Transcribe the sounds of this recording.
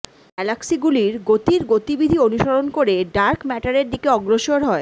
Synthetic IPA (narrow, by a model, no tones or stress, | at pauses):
ɛlaksiɡuliɾɡot̪iɾɡot̪ibid̪ʱionuʃoɾonkoɾeɖaɾkmɛʈaɾeɾd̪ikeɔɡɾoʃoɾɦɔe